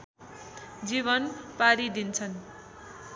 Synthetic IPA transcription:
d͡ziβʌnpaɾid̪int͡sʰʌn

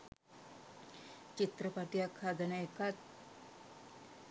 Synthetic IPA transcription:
t͡ɕit̪ɾəpaʈijakʰad̪ənaekat̪̚

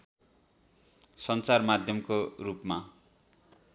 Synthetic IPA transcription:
sʌnt͡sarmad̪ʱjʌmkorupma

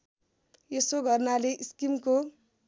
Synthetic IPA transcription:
esoɡʱʌrnaleʔiskimko

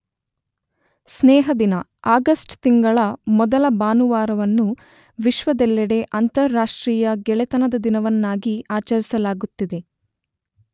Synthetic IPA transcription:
snɛːɦɐd̪inɐ | aːɡɐsʈt̪iŋɡɐɭɐmɔd̪ɐlɐbaːnuʋaːɾɐʋɐnːu | ʋiʃʋɐd̪ɛlːɛɽe̞ʔɐnt̪ɐɾːaːʂʈɾiːjɐɡɛɭɛt̪ɐnɐd̪ɐd̪inɐʋɐnːaːɡiaːt͡ʃɐɾisɐlaːɡut̪ːid̪e̞

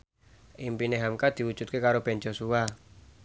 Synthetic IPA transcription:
ʔimpineɦamkad̪̥i̤wu̥d͡ʒ̥ṳt̪̚kekaɾob̥end͡ʒosua

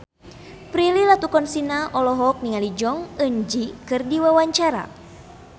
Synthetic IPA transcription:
pɾililat̪ukɔnsinaʔɔlɔɦɔk̚niŋalid͡ʒɔŋənd͡ʒikɨrdiwawaɲt͡ʃaɾa̰

